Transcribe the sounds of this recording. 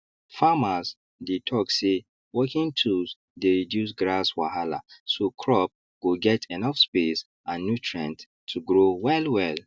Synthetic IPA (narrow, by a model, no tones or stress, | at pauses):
famaz | detʰɔkse | wɔkĩntʰus | deɹidjus̬ɡɹaswaɦala̰sokʰɹɔp̚ | ɡ̥oɡɛtʰenɔfspes | ãnːutʰɹɛ̃nt | tʰːuɡɹowɛlwɛl